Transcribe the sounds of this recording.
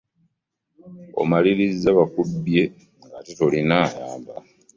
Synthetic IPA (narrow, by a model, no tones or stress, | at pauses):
o̰maliɾizaβakubje̞ | ŋɡatitolinaːjaːmba